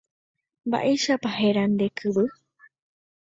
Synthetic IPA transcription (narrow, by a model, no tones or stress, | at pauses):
mba̰ʔe̞ʃapahe̞ɾand̪e̞kʰɨβɨ